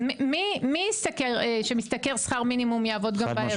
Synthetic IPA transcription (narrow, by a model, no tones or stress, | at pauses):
mmimiist̪akeʁeʃemist̪ɐke̞ʁsχaʁminimumjaːvo̞d̪ɡambae